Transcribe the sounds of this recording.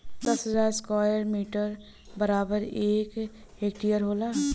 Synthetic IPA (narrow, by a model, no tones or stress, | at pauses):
d̪ɐsɦəzaːɾskaːjəɾmiːʈəɾ | bəɾaːbəɾeːk | eːk̚ʈijəɾɦoːlaː